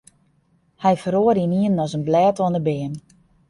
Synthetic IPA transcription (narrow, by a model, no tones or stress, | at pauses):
hɛjfəɾoəɾiniənɔzənblɛːtɔənəbɪən